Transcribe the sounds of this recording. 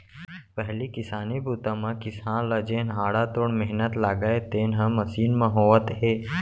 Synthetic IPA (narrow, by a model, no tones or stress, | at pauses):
pəɦlikɪsaːnibuːt̪ãmãkɪsãːnləd͡ʒeːnɦaːɽat̪oːɽmɪɦnət̪laːɡəet̪eːnɦə̃mɐsiːnmãɦoːʋət̪ɦeː